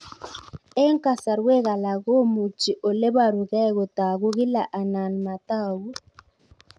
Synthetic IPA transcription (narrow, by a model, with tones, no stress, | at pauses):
ɛ˦ŋka˦sa˨ɾwe˦ɣa˨la˨ɣo˦mu˨t͡ʃi˨ʔo˨le˦ba˦˨ɾu˨ɣɛ˦˨ɣo˨ta˨ɣo˦ɣɪ˦la˨ʔa˨na˨nma˨ta˦wu˦